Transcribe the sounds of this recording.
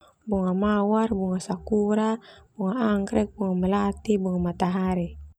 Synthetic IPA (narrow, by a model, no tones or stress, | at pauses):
buŋamawarbuŋasakuɾab̥uŋaːŋkɾɛk̚buŋamɛlat̪ibuŋamat̪aɦaɾi